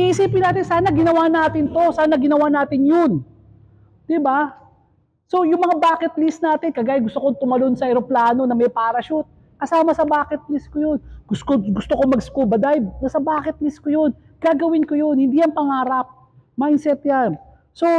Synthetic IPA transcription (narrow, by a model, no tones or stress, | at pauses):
iʔɪsiːpɪnaːt̪ɪnsaːnɐɡɪnɐwaːnaːt̪ɪnt̪o̞saːnɐɡɪnɐwaːnaːt̪ɪnjon | d̪̥ɪba | so̞jʊŋmɐŋabaːkɛt̪̚lisnaːt̪ɪnkɐɡaːjɪɡʊst̪okoŋt̪ʊmɐlonsɐɛɾoplaːno̞nɐmɐjpaːɾɐʃʊt̪̚ | kɐsaːmɐsɐbaːkɛt̪̚liskojonɡʊskoɡʊst̪okomɐɡskubɐd̪ajbnɐsɐbaːkɛt̪̚liskojon | ɡ̥aɡɐwɪnkojo̞nhɪnd̪iːjɐŋpɐŋaːɾɐp̚ | maɪnsɛt̪jan | so̞